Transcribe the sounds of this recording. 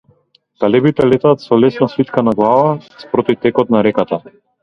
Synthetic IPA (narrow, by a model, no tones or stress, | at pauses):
k̪alɛbit̪ɛlɛt̪aːt̪sɔlɛsnasvit̪kanaɡlˠavaspɾɔt̪ift̪ɛkɔt̪̚naɾɛkat̪a